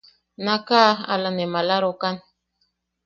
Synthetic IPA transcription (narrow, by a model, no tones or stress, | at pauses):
nakaa̰lanemalaɾokan